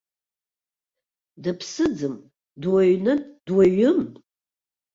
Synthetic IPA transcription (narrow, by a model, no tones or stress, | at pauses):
dɨpʰsɨd͡zɨm | dwaɥnɨdwaɥʊmʼ